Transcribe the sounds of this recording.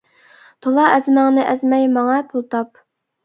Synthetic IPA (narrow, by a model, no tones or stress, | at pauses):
t̪ʰolˠɑʔɛzmæŋnɪʔɛzmɛjmɑŋɑpʰulˠt̪ʰɑp